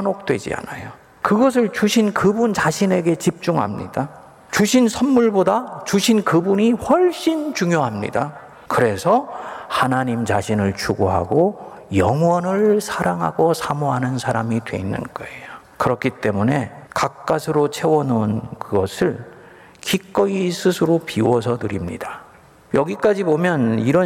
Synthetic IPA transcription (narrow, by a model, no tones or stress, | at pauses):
nok̚t͈we̞̰d͡ʑḭa̰najo | kɯɡʌs̬ʰɯɭt͡ɕuɕʰinkɯbunt͡ɕaɕʰine̞ɡe̞t͡ɕip̚t͡ɕ͈uŋɦa̰mɲḭd̥a | t͡ɕuɕʰinsʰʌnmuɭbodat͡ɕuɕʰinkɯbuɲiɸʌɭɕ͈int͡ɕuŋjoɦamɲḭda | kɯɾe̞sʰʌhanaɲimt͡ɕaɕʰinɯɭt͡ɕʰuɡoɦa̰ɡo | jʌŋwʌnɯɭsʰaɾaŋɦaɡosʰamoɦanɯnsʰaɾamidwe̞̰inːɯ̰nɡʌejo | kɯɾʌkʰit͈e̞mune̞kak̚k͈asʰɯɾot͡ɕʰe̞wʌnonkɯɡʌsʰɯɭ | kik͈ʌisʰɯsʰɯɾopiwʌsʰʌtɯɾimɲḭda | jʌɡik͈ad͡ʑibomjʌniɾʌ